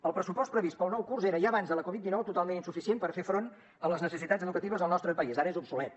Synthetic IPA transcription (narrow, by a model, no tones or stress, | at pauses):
əlˠpɾəsupɔs̚pɾəβist̪pəlˠnɔwkurzeɾəʒaβanzðələkɔβit̪d̪inɔwt̪ut̪alˠmeninsufisienpəɾfefɾon | ələznəsəsit̪add͡zəðukət̪iβəzðəlˠnɔst̪ɾəpəizaɾəezupsulɛt̪̚